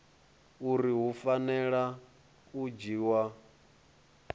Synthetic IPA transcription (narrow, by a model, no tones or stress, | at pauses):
uɾiɦufanɛɺa | ud͡ʒiːwa